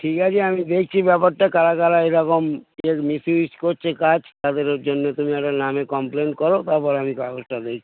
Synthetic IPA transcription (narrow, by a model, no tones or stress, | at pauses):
ʈʰikat͡ɕʰeamid̪ekʰt͡ɕʰibɛpaɾʈakaɾakaɾaeɾɔkomemisuiskoɾt͡ɕʰekad͡ʑt̪ad̪eɾd͡ʑonːet̪umiɛk̚ʈaɾnamekɔmplenkɔɾot̪aɾpɔɾeamikaaɡosʈad̪ek̚t͡ɕʰi̥